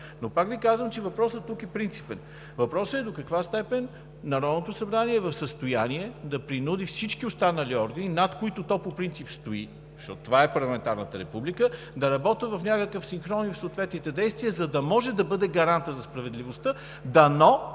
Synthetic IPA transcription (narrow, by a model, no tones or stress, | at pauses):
nopakvikazvəmt͡ʃɛvɐpɾɔsət̪ːukɛpɾint̪si̥pɛn | vɐpɾɔsəɛd̪okɐkvast̪ɛpɛnː | ɐɾɔd̪not̪ʊsɐbɾaniɛvɐfsəst̪ʊjaniɛd̪ɐpɾinud̪ifsit͡ʃkiʊst̪anəliɔɾɡəninat̪koit̪ot̪ɔpopɾint̪sipst̪oi | zɐʃt̪ɔt̪t̪ovaɛpɐɾlˠɐmɛnt̪aɾnət̪əɾɛpublikə | d̪ɐɾɐbɔt̪əvɐfnʲakəkəfsinxɾɔnifsoːt̪vɛt̪nit̪ɛd̪ɛjst̪viəzɐd̪ɐmɔʒɛd̪ɐbɤd̪ɛɡɐɾant̪əzɐspɾɐvɛd̪livost̪ə | d̪ɐnɔ